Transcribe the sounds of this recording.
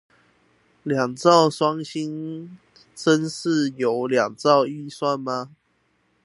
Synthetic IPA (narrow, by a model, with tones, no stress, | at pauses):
lja˨˩ŋt͡sɑ˥˨ʊswɑ˦ŋɕi˦n | t͡sə˦nʂ̩˥˨jo˨˦ʊlja˨˩ŋt͡sɑ˥˨ʊi˥˨swa˥˨nma˧